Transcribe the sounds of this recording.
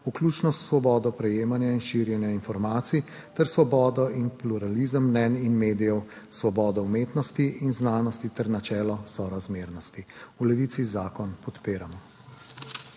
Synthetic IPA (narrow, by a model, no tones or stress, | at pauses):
uklut͡ʃnɔst̪sʋɔbɔːd̪ɔpɾɛjeːmanjainʃiɾjɛnjainfɔɾmaːt̪si | t̪ɛɾsʋɔbɔːd̪ɔʔinpluɾalizəmːnɛninmeːd̪ijɛw | sʋɔbɔːd̪ɔumeːt̪nɔst̪iinznaːnɔst̪it̪ɛɾnat͡ʃɛːlɔsɔɾazmeːɾnɔst̪iulɛʋit̪sizaːkɔnpɔt̪peːɾamɔ